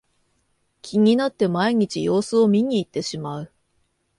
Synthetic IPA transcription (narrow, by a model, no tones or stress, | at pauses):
kʲʰiɲ̟ʲinat̪ːe̞maiɲ̟it͡ɕḭjo̞ːsɨo̞mʲiɲ̟iːt̪ːe̞ɕimaɯ̟